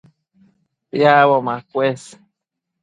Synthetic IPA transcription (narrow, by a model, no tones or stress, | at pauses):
pjawomakʷes